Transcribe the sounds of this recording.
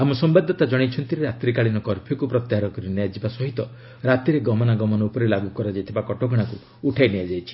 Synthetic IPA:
amɔsɔmbad̪ʱːɔt̪ad͡ʒɔɽ̃it͡ʃʰɔnt̪iɾeɾat̪ɾikaɭinɔkɔɾpʰjɔkupɾɔt̪jaɦaɾɔkɔɾiniad͡ʒibasɔɦit̪ɔ | ɾat̪iɾeɡɔmɔnaɡɔmɔnɔupɔɾelaɡukɔɾad͡ʒajt̪ʰibakɔʈɔɡɔɽ̃akuː | ʈʰajnijad͡ʒajt͡ʃʰi̥

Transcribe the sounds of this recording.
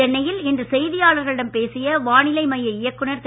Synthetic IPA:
ɐnːɐjɪlɛndrɯsɛjðɪjaːɭɐɾɣɐɭɪɽɐmpeːsɪjɐʋaːɳɪlɐɪmɐjɐɪjɐkːɯɳɐɾt̪

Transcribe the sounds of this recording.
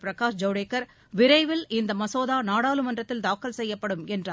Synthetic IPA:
pɪɾɐkaːʂd͡ʒɐʊɽeːkːɐɾ | ʋɪɾɐɪʋɪlɪnd̪ɐmɐsoːðaːnaːɽaːlɯmɐndrɐt̪ːɪld̪aːkːɐlsɛjːɐpːɐɽɯmɛndraː

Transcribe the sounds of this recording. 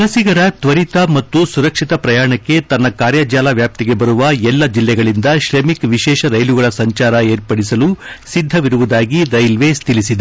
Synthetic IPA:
ɐlɐsiɡɐɾɐt̪ʋɐɾit̪ɐmɐt̪ːusuɾɐkʂit̪ɐpɾɐjaːɳɐkːe̞t̪ɐnːɐkaːɾjɐd͡ʒaːlaʋjaːp̚t̪iɡe̞bɐɾuʋɐɛlːɐd͡ʒilːɛɡɐɭind̪ɐʃɾemikʋiʃɛːʃɐɾɐjluɡɐɭɐsɐɲt͡ʃaːɾɐeːɾpɐɽisɐlusid̪ʱːɐʋiɾuʋud̪aːɡiɾɐjlʋest̪ʰilisid̪e

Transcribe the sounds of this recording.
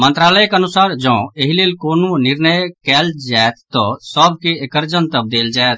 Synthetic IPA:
mə̃nt̪ɾaːləjkənʊsaːɾd͡ʒə̃ːeɦileːlkoːnõnɪɾnəjkɛːld͡ʒaet̪ːɔsəbʱkeekəɾd͡ʒənt̪əb̚d̪eːld͡ʒaet̪̚ʰ

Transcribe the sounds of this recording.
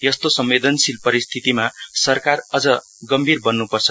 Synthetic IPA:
jʌst̪osʌmwed̪ʱʌnsilpʌɾist̪ʰit̪imasʌrkarʌd͡zʌ | ɡʌmbʱirbʌnːupʌrt͡sʰʌ̥

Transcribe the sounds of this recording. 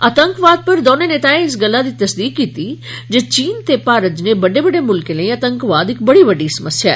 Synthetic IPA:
ət̪əŋkʋaːd̪̚pəɾd̪oːneneːt̪aẽɪsɡəlːad̪it̪əsd̪iːkːit̪id͡ʒet͡ʃiːnt̪epaːɾəd͡ʒnebəɖebəɖemʊlkelə̃ĩɐt̪əŋkʋaːd̪ɪk̚bəɽibəɖisəməsja

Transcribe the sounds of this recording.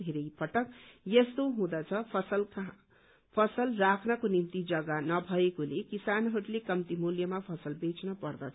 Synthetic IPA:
d̪ʱeɾʌjpʌʈʌkjest̪oɦũd̪ʌt͡sʰʌpʰʌsʌlka | pʰʌsʌlrakʰnʌkonimt̪id͡zʌɡanʌbʱʌekolekisanɦʌɾlekʌmt̪imuljʌmapʰʌsʌlbet͡snʌpʌrd̪ʌt͡sʰʌ

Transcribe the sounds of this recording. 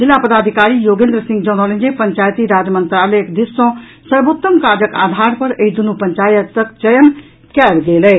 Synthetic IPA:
d͡zilːapəd̪ad̪ʱikaɾijoɡend̪ɾəsĩŋɡd͡ʒʌnəlẽnd͡ʒepəɲt͡ʃajt̪iɾad͡ʒjəmənt̪ɾaləjekd̪isːõ | səɾbot̪ːəmkad͡ʒəka̰d̪ʱaɾpəɾeid̪unupənt͡ʃajət̪ːək̚t͡ʃəjən | kalɡeləj

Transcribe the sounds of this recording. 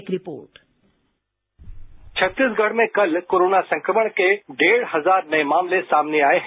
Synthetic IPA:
kɾɪpoːɾʈ | t͡ɕʰɐt̪ːɪsɡʱɐɽ̤mẽkɐl̤koːɾoːnasɐ̃ŋkɾəməɽ̃kʰeːɖeːɽ̤ɦɐzaːɾnɐemaːmlesaːmneaːɦe

